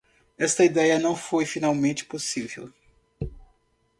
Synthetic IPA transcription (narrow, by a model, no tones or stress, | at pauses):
ɛst̪ɐid̪ɛjɐnɐ̃w̃fojfinawmẽt͡ʃɪ̥posivḛw